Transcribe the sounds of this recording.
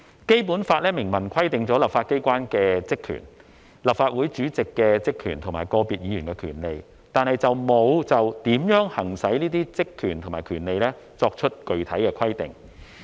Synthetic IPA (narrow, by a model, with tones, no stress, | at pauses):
ke˥jpuː˨˥nfaː˧t̚lɛː˥mɪ˨˩ŋmɐ˨˩nkʰɐ˥jt̪ɪ˨ŋt͡sɔː˨˥lɐ˨p̚faː˧t̚ke˥jkʷaː˥nkɛː˧t͡sɪ˥kʰːy̰ː˨˩n | lɐ˨p̚faː˧t̚wuː˨˥jt͡ʃyː˨˥t͡sɪ˨kːɛː˧t͡sɪ˥kʰːyː˨˩nt̪ʰŋmaː˨˩jkɔː˧piː˨t̚jiː˨jyː˨˩nkɛ˧kʰy̰ː˨˩nle˨˧j | t̪aː˨˧nhɐ˨jt͡sɐ˨wmo˨˧wt͡sɐ˨wt̪iː˨˥mjœː˨˥ŋhɐ˨˩ŋsɐ˨˥jniː˥t̪̬iː˥t͡sɪ˥kʰːyː˨˩nt̪ʰo˨˩ŋmaː˨jkʰyː˨˩nle˨˧jlɛː˥ | t͡sɔː˧k̚t͡ʃʰɵ˥t̚kɵ˨ɥt̪ʰɐ˨˥jkɛː˧kʰɐ˥jt̪ɪ̰˨˩ŋ